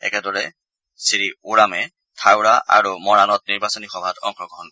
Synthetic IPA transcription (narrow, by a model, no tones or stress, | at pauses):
ɛ̰kɛdɔɹɛ | siɹiuɹamɛ | tʰawɹaʔa̰ɹumɔɹanɔt̚niɹbasɔnixɔbʱatʰɔ̰ŋkʰɔɡʱɔn